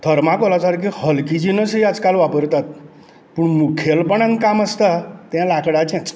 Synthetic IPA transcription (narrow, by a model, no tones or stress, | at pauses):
d̪ʰʱəɾmãkolasaɾkihəlkid͡ʑinəsiad͡zkalʋapəɾt̪at̪̚ | puɳmukʰjelpəɳãnkaməst̪at̪jãlakɽat͡ɕɛ̃t͡s